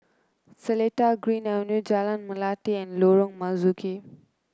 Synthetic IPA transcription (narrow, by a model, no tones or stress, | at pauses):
seleʈaɡɾinawnjud͡ʒalanmulatiɛ̃nloɾɔŋmɐzukʰe